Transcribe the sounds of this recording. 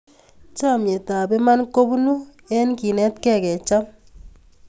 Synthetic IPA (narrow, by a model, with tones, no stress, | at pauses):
t͡ʃa˦˨mje˨ta˨be˦ma˦nko˦bu˦nu˦ | ɛ˦nki˨nɛ˦tkɛ˦˨kɛ˨t͡ʃa˦m